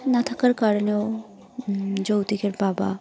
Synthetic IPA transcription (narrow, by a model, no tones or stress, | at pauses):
nat̪ʰakaɾkaɾoneo | d͡ʑowt̪ikeɾbaba̰